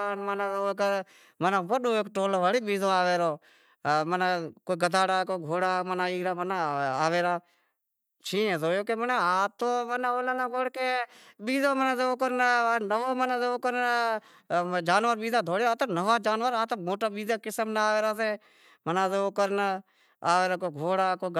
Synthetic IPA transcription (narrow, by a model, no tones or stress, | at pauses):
aːnmənaːoːkə | mənaːʋəɗoːeːkʈoːlːʋaːɽiːɓiːzõːaːʋeːɾoː | mənakoːiɡəd̪ʱaːɽaːkoːiɡʱoːɽaːmənaːiːɾaːmənaaːʋeːɾaː | t͡ʃʰĩːẽːzoːjoːkeːmənaaːt̪oːmənaːoːlaːnaːkoːɽkeːɓiːzõːmənãːseːoːkəɾnnəʋoːmənãːseːoːkəɾn | d͡ʒaːnʋəɾɓiːzãːd̪ʱoːɽeːɾaːt̪oːnəʋaːd͡ʒaːnʋəɾaːt̪oːmoːʈaːɓiːzaːkɪsəmnaaːʋeːɾaːseː | mənãːseːoːkəɾn | aːʋeːɾaːkoːɡʱoːɽaːkoː